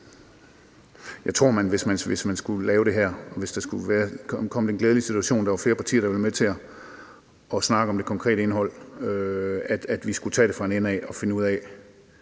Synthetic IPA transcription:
jɑ̈ɪt͡sʰʁo̝ɐ̰mænʋe̝smænʋe̝smænsɡ̥ulɛːʊɾ̥e̝ɦæɐ̰ɒ̽ʋe̝sd̥ɑ̈sɡ̥uʋæːɐkʰɒ̽məd̥enɡ̥leːðˠlisit͡sʰuæɕo̝̰ːnd̥ɑ̈ʋɑ̈fle̝ːɐpʰɑt͡sʰḭːɐɾ̥ɑʋe̝lme̥t͡sʰe̝ɐ | ɒ̽snɑ̈ɡ̥əɒ̽md̥e̝kʰɒ̽ŋkʰʁɛ̰ːɾəe̝nɦɒ̽l̰ | æd̥æd̥ʋisɡ̥ut͡sʰɛ̰ːdɾe̝fʁɑ̈e̝nenɛɒ̽fe̝nəuð̞̰ˠɛ

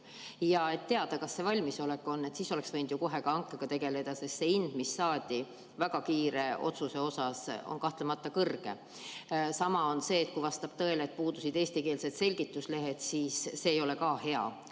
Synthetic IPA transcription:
jɑe̞t̪ːe̞ɑd̪̥ɑkɑsːe̞vɑlʲmiso̞lekːˑo̞nːe̞t̪siːso̞le̞ksvɤjnd̪̥juko̞ɦe̞ɡ̥ɑɑŋkːˑeɡ̥ɑt̪e̞ɡe̞le̞d̪̥ɑse̞st̪seind̪̥misːɑːd̪̥ʲi | væɡ̥ɑkiːɾe̞o̞̰t̪suse̞o̞sɑso̞̰nkɑht̪lemɑt̪ːɑkɤrɡ̥e̞̰ | sɑmɑo̞nse̞ːt̪̚kujvɑst̪ɑb̥̚t̪ɤ̞e̞leːt̪̚puːd̪̥usid̪̥e̞ːsʲt̪ike̞ːlse̞d̪̥se̞lʲɡit̪ːˑusle̞ɦe̞t̪siːsːe̞ːjo̞le̞kɑːhe̞ɑ̰

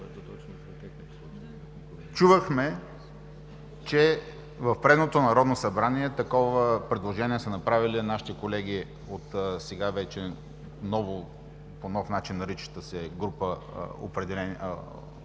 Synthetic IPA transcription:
t͡ʃuvəxmɛ | t͡ʃɛ | vɐfpɾɛd̪not̪onɐɾɔd̪nosɐbɾaniɛt̪ɐkɔvəpɾɛd̪lˠoʒɛnʲiɛsənɐpɾavilinaʃi̥t̪ɛkolɛɡ̟i | ot̪sɛɡavɛt͡ʃɛ | nɔvo | ponɔfnat͡ʃinːɐɾit͡ʃi̥t̪əsɛɡɾupəo̰pɾɛd̪ɛlɛn̰

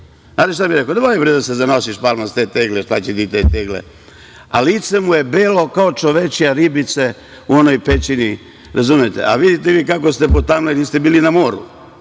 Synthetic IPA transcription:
aːd̪eʃt̪amiɾekod̪emojibɾd̪asezano̞siʃpalmast̪eːt̪eɡleʃt̪a̰t͡ɕet̪it̪et̪eːɡlḛ | a̰liːt̪semuje̞beːlo̞kaot͡ʃo̞ʋet͡ʃijaɾibit̪se | uo̞nojpet͡ʃini | ɾazumijet̪ḛʔa̰ʋid̪it̪eʋiːkakost̪epot̪amlenist̪ebiːlinamoːɾṵ

